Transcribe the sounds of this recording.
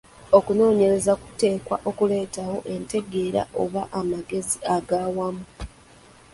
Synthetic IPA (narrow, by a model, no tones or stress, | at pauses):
o̞kuno̞ːɲe̞ɾe̞zaku̥te̞ːkwaʔo̞kule̞ːtaho̞ʔe̞nte̞ɡe̞ːɾa̰ʔo̞̰βaʔamaɡe̞ziaɡaːwamu